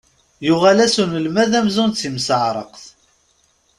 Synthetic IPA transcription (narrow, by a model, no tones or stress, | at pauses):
jʊʁalæsunəlmæðæmzunt͡sːimsəʕɾˤə̰qθ